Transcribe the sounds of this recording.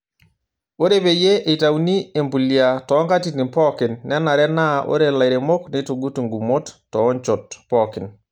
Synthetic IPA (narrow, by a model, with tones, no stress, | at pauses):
o˦ɾe˦pe˨je˦ʔe˨ta˨wni˦e˨mbu˨lia˨tɔ˨˦ŋka˦ti˦ni˨pɔ˦kɪ˨nːɛ˦na˨ɾɛ˦na˦ʔo̰˦ɾe˨la˨jɾe˨mo˦kne˦to˨ɡu˦tu˨ŋɡu˨mo˦tːɔː˨˦ɲt͡ʃɔ˨tpɔ˨kɪ˨n